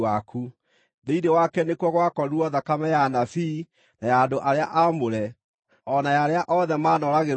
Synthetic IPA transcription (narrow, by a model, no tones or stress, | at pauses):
akʰu | ðeidewakɛnekwɔɣwakɔɾuɔðakamɛjanafi | najaːndoʔaɾeaʔamoɾɛ | ɔnajaɾeaʔɔðɛmaːnɔɾaɣe